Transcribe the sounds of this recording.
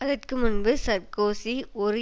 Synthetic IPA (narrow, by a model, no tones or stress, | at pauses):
ɐðɐrkɯmʊnbɯsɐɾkoːsiɔɾɯ